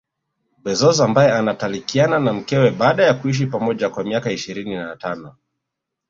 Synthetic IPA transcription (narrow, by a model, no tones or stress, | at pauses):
ɓɛzɔzɔambajɛanatalikiananam̩kɛwɛɓaːɗajakuiʃ̬ipamɔʄakwamiakaiʃiɾininatanɔ